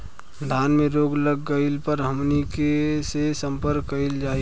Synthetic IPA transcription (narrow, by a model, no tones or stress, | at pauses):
d̪ʱaːnmeɾoːɡləɡːəɪlpəɾɦəmnikesesə̃mpəɾkːəɪld͡ʒaːi